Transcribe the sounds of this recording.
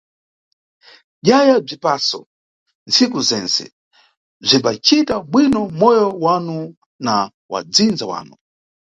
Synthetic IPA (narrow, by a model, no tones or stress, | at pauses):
ʄajab͡ʐipasɔ | nt͡sʰikuzɛnsɛ̰ | b͡ʐimbat͡ʃitaɓwinɔmɔjɔwanu | na | wa̰d͡zind͡zawa̰ːnu